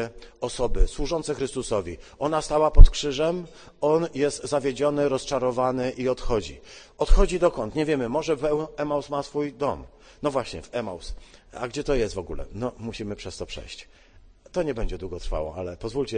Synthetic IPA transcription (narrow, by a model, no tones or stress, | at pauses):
ɔsɔbɘswuʐɔnsɛxɾɘst̪usɔvʲiʔɔnast̪awapɔt̪kʂɘʐɛm | ɔnjɛst̪zavʲjed͡ʑɔnɘɾɔst͡ʂaɾɔvanɘʔiɔt̪xɔd͡ʑiɔt̪xɔd͡ʑid̪ɔkɔnt̪ɲɛvʲjɛmɘmɔʐɛvɛwɛmawsmasfujd̪ɔm | nɔvwaɕɲɛ̰vɛma̰wsa̰ɡd͡ʑɛt̪ɔjɛst̪vɔɡulɛ̰nɔmuɕimɘpʂɛst̪ɔpʂɛ̰jɕt͡ɕ | t̪ɔɲɛbɛɲd͡ʑɛd̪wuɡɔt̪ɾfa̰wɔ̰alɛpɔzvulʲt͡ɕɛ